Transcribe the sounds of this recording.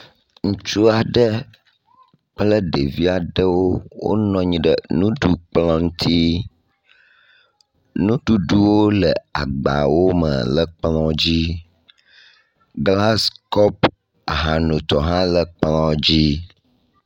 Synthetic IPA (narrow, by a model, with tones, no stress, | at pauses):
ŋũ˦t͡ʃu˦a˨ɖə˦ | k͡plə˦ɖə˨vi˦a˨ɖə˦wo˦wo̰˦nɔ̃˦ɲĩ˦ɖə˨nũ˦ɖu˦k͡plɔ̃˦ŋu˦t̪ʰi˦ | nũ˦ɖu˦ɖu˦wo˦lə˨a˨ɡ͡ba̰˨wo˦mə̰˨lə˨k͡plɔ̃˦d͡ʑi˦ | ɡla˦skɔ˦p | a˨ɦã˨nũ˨t̪ɔ˨ɦã˦lə˨k͡plɔ̃˦d͡ʑi˦